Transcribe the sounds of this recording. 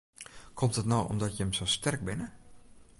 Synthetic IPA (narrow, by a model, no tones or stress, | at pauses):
kʰɔmtətnowɔ̰mdɔtjəəmsostɛrk̚bɪnə